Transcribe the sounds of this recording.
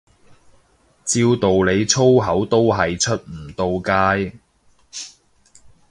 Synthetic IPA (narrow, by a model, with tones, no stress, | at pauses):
t͡siː˧wt̪o˨wle˨˧jt͡sʰo˥wɦɐ˨˥wt̪o˥wɦɐ˨jt͡ʃʰɵ˥t̚m̩˨˩t̪o˧wkaː˥j